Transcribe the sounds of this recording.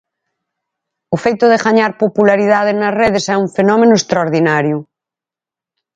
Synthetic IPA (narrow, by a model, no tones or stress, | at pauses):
ʊfejt̪ʊðeɣaɲaɾpopulaɾiðaðenazreðesɛuɱfenɔmẽnʊest̪ɾaoɾðinaɾjʊ